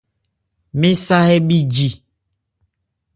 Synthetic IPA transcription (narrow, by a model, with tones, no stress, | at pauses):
mĩ˦sa˦hɛ˦bi˦d͡ʒi˨